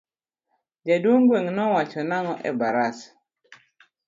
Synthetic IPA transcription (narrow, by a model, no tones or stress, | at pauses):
d͡ʒadwoŋɡweŋnɔwat͡ʃɔnaŋɔʔɛ̰baɾas